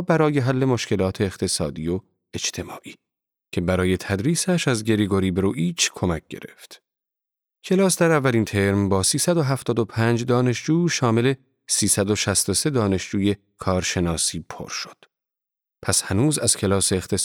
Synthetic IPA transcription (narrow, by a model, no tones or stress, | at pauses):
bæɾɒːje̞ɦælːe̞moʃce̞lɒːt̪ʰe̞ːχt̪ʰe̞sɒːd̪iːo | e̞t͡ʃt̪ʰe̞mɒ̰ːʔiː | cʰe̞bæɾɒːje̞t̪ʰæd̪ɾiːsæʃæzɟe̞ɾiɡo̞ɾiːbeɾuːʔiːt͡ʃʰkʰo̞mæk̚ɡ̥e̞̰ɾe̞̰ft̪ | cʰe̞lɒːsd̪æɾævːæliːnt̪ʰe̞ɾmbɒːsiːsæd̪oɦæft̪ɒːd̪opʰænd͡ʒd̪ɒːne̞ʃd͡ʒuːʃɒːme̞le̞ | siːsæd̪o̞ʃæst̪o̞se̞d̪ɒːne̞ʃd͡ʒuːje̞ | kʰɒːɾʃe̞nɒːsiːpʰo̰ɾʃo̥d̪̥ | pʰæshænuːzæz̥cʰe̞lɒːseːxt̪ʰes